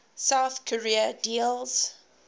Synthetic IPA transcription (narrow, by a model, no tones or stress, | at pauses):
saθkʰəɹiədilˠz̥